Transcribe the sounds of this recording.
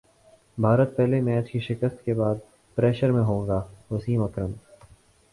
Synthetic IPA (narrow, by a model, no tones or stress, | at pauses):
bʱaːɾət̪̚pɛɦlemɛ̃ːt͡ʃkiʃɪkəst̪kebaːd̪̚ | pɾɛːʃəɾmẽɦõːŋɡaːɦʊsiːmɐkɾəm